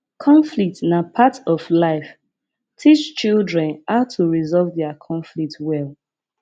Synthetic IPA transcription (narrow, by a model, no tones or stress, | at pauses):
kʰɔ̃ɱflik̚tnapʰatɔflaɪf | tʰit͡ʃt͡ʃildɹɛ̃nhaʊtʰuɹizɔlvdɛakʰɔ̃ɱflik̚twɛlˠ